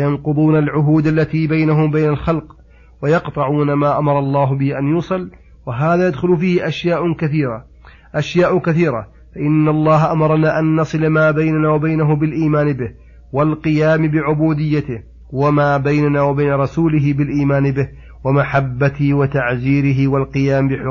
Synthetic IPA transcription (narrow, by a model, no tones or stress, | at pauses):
jɑnqʊd̪ˤuːnalʕʊɦuːd̪alːat̪iːbajnaɦʊmbajnalxɑlq | wajɑqt̪ˤɑʕuːnamaːʔamɑɾˤɑlˤːɑːɦʊbɪhiʔanjuːsˤɨl | waɦaːðaːjad̪xʊlfiːhɪʔaʃjaːʔʊkaθiːɾa | ʔaʃjaːʔʊkaθiːɾa̰ | faʔɪnːalˤːɑːɦaʔamɑɾˤɑnaːʔanːɑsˤɨlamaːbajnanaːwabajnaɦʊmbɪlʔiːmaːnbɪh | walqɨjaːmɪbɪʕʊbuːd̪ɪjːat̪ɪh | wamaːbajnanaːwabajnaɾˤɑsuːlɪɦɪbɪlʔiːmaːnɪbɪh | wamaħabːat̪ɪhwɪt̪aʕziːɾɪɦɪwalqɨjaːmbɪħʊ